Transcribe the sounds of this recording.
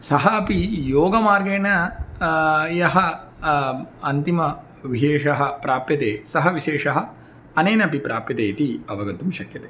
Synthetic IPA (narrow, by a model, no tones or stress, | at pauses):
sɐɦɐɐpijoːɡɐmaːɾɡeːnɐ | jɐɦɐ | ɐnt̪imɐ | ʋiʃeːʂɐɦɐpɾaːpjɐt̪eːsɐɦɐʋiʃeːʂɐɦɐ̆ | ɐneːnɐpipɾʔaːpjɐt̪eːt̪iɐʋɐɡɐt̪ːumʃɐkjɐt̪eː